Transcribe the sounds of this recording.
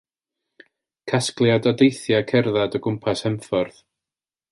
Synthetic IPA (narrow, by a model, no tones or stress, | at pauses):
kʰasklˠjadɔdejθjakʰɛrðadɔɡʊmpʰashɛmfɔrð̥